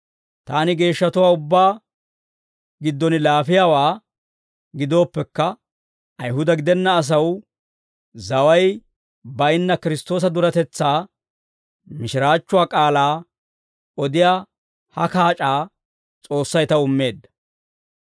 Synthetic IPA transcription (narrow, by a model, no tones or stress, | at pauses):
t̪aːnɪɡe̞ːʃːɐt̪ʊwaːʊbːaː | ɡɪd̪ːɔnɪlaːfɪjaːwaː | ɡɪd̪o̞ːpːɛkːɐ | ʔɐjɦʊd̪ɐɡɪd̪ɛnːɐːs̬ɐw | zɐwɐj | bɐjnːɐkɪɾɪst̪o̞ːs̬ɐd̪ʊɾɐt̪ɛt͡sːaː | mɪʃɪɾaːt͡ʃːʊwaːkʼaːlaː | ɔd̪ɪjaː | hɐkaːt͡ʃʼaː | t͡sʼo̞ːsːɐjt̪ɐʊmːe̞ːd̪ːɐ̥